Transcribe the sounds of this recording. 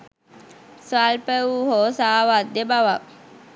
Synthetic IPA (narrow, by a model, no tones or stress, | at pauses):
sʋalpəuɦoːsaːʋat̪ːebaʋak